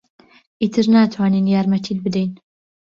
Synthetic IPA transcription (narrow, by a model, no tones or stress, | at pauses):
ʔiːt̪ʰɨɾnaːt̪ʰwaːninjaːɾmɐt̪ʰiːlbɨd̪ejn